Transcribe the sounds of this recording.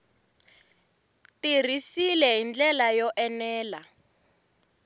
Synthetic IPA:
tir̤isilɛɦind͡ɮɛlajɔʔɛnɛːla

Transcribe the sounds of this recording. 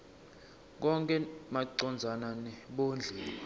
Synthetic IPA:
k̬ɔŋkʼɛmaǀɔnd͡zʱananɛɓond͡ɮʱɛː

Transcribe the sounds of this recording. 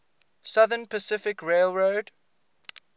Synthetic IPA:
sʌðənpəsɪfɪkɹeɪlˠɹoʊd̥

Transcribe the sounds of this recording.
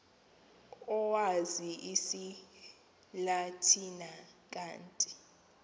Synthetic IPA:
ɔwaziʔisi | latʰinak̬ʼaːntʼi

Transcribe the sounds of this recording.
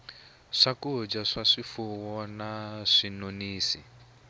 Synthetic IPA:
ʂakud͡ʒaʂaʂifuwɔnaʂinoniːsi

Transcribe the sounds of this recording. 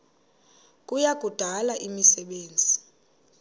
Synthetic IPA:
k̬ʼujak̬ʼud̥ʱalaʔimisɛɓeːnd͡zʱi

